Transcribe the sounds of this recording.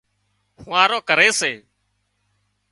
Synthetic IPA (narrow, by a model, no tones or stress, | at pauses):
hʊʋãːɾoːkəɾeːseː